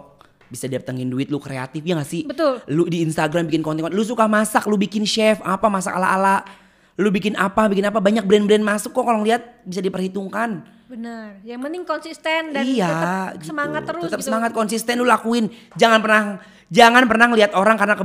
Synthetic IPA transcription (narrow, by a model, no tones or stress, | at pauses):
bisadiap̚t̪əŋɪnduɪt̪̚lukɾea̰t̪ɪfjaŋɡasɪbət̪ʊlludiːnst̪aɡɾambikɪnkɔnt̪iŋlus̬ukahmasak̚lubikɪnʃɛfapamasa̰ka̰la̰ʔala | lubikɪnapabikɪnapabaɲak̚bɾɛnbɾɛnmasʊkːɔkalɔŋliat̪̚bisadipərhit̪uŋkan | bənərjamənɪŋkɔnsist̪ɛndaijaəmaŋat̪ːəɾət̪ːəsəmaŋat̪̚kɔnsist̪ɛnlulakuɪnd͡ʒaŋanpərnah | d͡ʒaŋanpərnahŋliat̪oɾaŋkarnakə